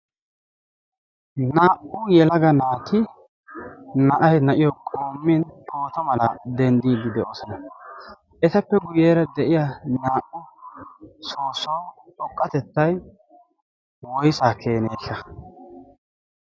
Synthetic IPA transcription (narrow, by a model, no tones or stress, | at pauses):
naːʔʊjɛlɐɡɐnaːt̪ʰɪ | nɐʔɐjnɐʔɪjɔkʼoːmːɪntʰoːt̪ɐmɐlɐd̪ɛnd̪iːd̪ːɪd̪ɛʔoːsɔnɐ | ʔɛt̪ɐpːɛɡʊjeːɾɐd̪ɛʔɪjanaːʔʊ | soːsowtʼɔkʼːɐt̪ɛt̪ːɐj | wɔjsaːkʰe̞ːneːʃːɐ